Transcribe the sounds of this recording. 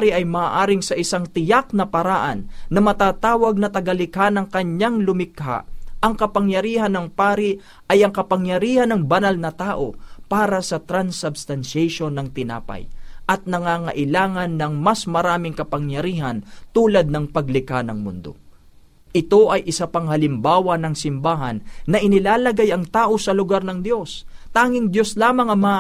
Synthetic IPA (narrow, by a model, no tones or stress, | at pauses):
aɾiʔɐjmaːʔaːɾɪŋsɐʔɪsaŋt̪ɪjak̚nɐpɐɾaʔɐnːɐmɐt̪aːt̪aːwɐɡ̚nɐt̪ɐɡalɪkhanɐŋkɐɲaŋlʊmɪkha̰ʔɐŋkɐpɐŋjɐɾiːhɐnːɐŋpaːɾi | ʔɐjɐŋkɐpɐŋjɐɾiːhɐnɐŋbɐnalnɐt̪aːʔopaːɾɐsɐt̪ɾansɐbst̪ɐnʃɛjʃonːɐŋt̪ɪna̰ːpɐ̰jʔɐt̪̚nɐŋaːŋɐʔɪlaːŋɐnːɐŋmɐsmɐɾaːmɪŋkɐpɐŋjɐɾiːɦɐnt̪uːlɐd̪̚nɐŋpɐɡlɪkanɐŋmʊ̰nd̪o̞̰ | ʔɪt̪o̞ʔɐjʔɪsapɐŋhɐlɪmbaːwɐnɐŋsɪmbaːɦɐnːɐʔɪnɪlaːlɐɡajɐŋt̪aːʔo̞sɐlʊɡaɾnɐŋd̪jo̞s | t̪aːŋɪŋd̪jo̞slaːmɐŋɐma